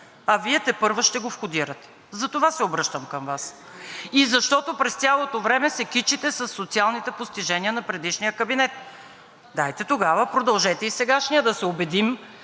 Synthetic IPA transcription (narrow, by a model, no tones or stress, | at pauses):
ɐviɛt̪ɛpɤɾvoʃt̪ɛɡofxʊd̪iɾət̪ɛ̥ | zɐt̪ovasɛobɾɤʃt̪əmkəmvas | izɐʃt̪ɔt̪opɾɛst̪ʲjalˠot̪ovɾɛmɛsɛkit͡ʃit̪ɛsɐsːot̪sialˠnit̪ɛpost̪iʒɛniənɐpɾɛd̪iʃnijəkəbinɛt̪̚ | d̪ajt̪ɛt̪oɡavəpɾod̪ɐlˠʒɛt̪ɛisɛɡaʃniəd̪ɐsɛobɛd̪im